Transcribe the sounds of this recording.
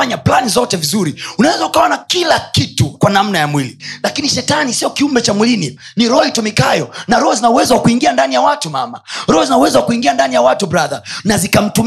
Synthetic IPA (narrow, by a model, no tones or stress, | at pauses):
aɲaplanizɔtɛvizuɾiunawɛzaukaɔnakilakitukwanam̩najamwililakiniʃɛtanisiɔkiumbɛt͡ʃamwilininiɾɔitɔmikajɔnaɾɔhɔzinauwɛzawakuiŋɡiandanijawatumama̰ɾɔhɔzinauwɛzawakuiŋɡiandanijawatubɾaðanazikam̩tum